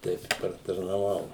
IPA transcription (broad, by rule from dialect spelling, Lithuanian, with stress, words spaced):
ˈtʲɛɪp ɪ pɐrtɐrnɐˈʋɐʊ